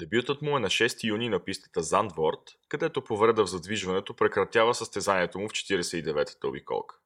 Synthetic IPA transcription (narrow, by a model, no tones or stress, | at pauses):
d̪ɛbjut̪ət̪mʊɛnɐʃɛst̪ijuninɐpist̪ə̥t̪əzand̪vɔɾt̪kɐd̪ɛt̪opovɾɛd̪əvzɐd̪viʒvɐnɛt̪opɾɛkɾɐt̪ʲjavəsəst̪ɛzaniɛt̪omʊft͡ʃɛ̥t̪iɾɛsɛid̪ɛvɛt̪ə̥t̪ə̰bḭkɔ̰lˠkə̥